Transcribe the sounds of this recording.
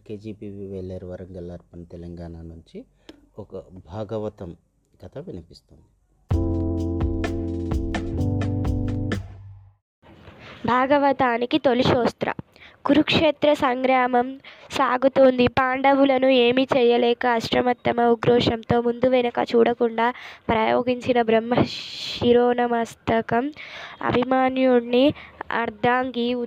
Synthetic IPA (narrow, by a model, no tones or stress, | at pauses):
keːd͡ʒiːpiːʋʋɛlːeːɾuʋɐɾɐŋɡɐlːaːɾpɐnit̪ɛlɐŋɡaːnaːnuɲt͡ʃi | ɔkɐbʱaːɡɐʋɐt̪ɐm | ɡ̥ɐt̪ʰɐʋinipist̪oːnd̪i | bʱaːɡɐʋɐt̪aːnikit̪o̞liʃɔːst̪ɾɐ̰ | ɡ̥uɾukʂeːt̪ɾɐsɐŋɡɾaːmɐmsaːɡut̪oːnd̪ipaːɳɖɐʋulɐnueːmit͡ʃɛːjɐlɛːkɐːʃɾɐmɐt̪ːɐmɐuɡɾɔːʂɐmt̪o̞ːmund̪uʋɐjnɐkɐ̰t͡ʃuːɽɐkuɳɖaːpɾɐjoːɡiɲt͡ʃinɐbɾɐmːɐiɾoːnɐmɐst̪ɐkɐmɐ̰bʱimaːnjuɽniɐ̰ɾd̪ʱaːŋɡi